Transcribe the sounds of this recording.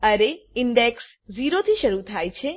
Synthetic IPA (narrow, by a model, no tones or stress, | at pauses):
əɾeɪɳɖeks | d͡ʒiɾot̪ʰiʃəɾut̪ʰajt͡ʃʰe